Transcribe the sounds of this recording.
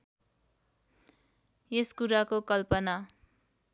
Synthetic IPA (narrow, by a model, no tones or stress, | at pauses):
eskuɾakokʌlpʌna